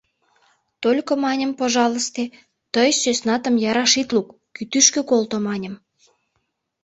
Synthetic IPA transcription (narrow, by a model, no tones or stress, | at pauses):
t̪olʲkomɑnʲəmpoʒɑləst̪e | t̪əjsøsnɑt̪ə̆mjɑɾɑʃit̪lukːyt̪yʃkøkolt̪omɑnʲə̆m